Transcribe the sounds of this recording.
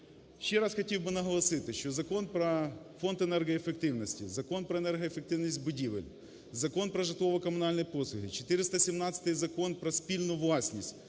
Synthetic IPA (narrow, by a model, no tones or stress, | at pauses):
ɕːeɾasxɐtʲiwʲbɨnɐɦɐlˠɐsɪt̪ɪʃʲt͡ʃozɐko̞npɾɐfo̞nt̪ɛnɛrɣɐɛfek̚t̪ɪʋnɐsʲtʲizɐko̞npɾɐɛnɛrɦɐefɪk̚t̪ɪʋnisʲtʲbʊdʲiʋɪ̰lʲ | zɐko̞npɾɐʐɨt̪ˠoʋɐkɐmʊnalʲnɐjposlˠʊɦʲɪt͡ʃɪ̥t̪ɪɾʲɪst̪ɐsʲɪmnat̪sʲə̥t̪ɨjzɐko̞npɾɐsʲpʲilʲnʊjʊʋlˠasʲnʲisʲtʲ